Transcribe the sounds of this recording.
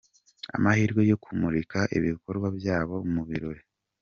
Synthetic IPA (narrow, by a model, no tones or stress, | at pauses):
a̰mahiːɾɡwe̞jo̞kʰumuɾikaʔḭβikoɾɡwabjaːβo̞muβiɾo̞ɾe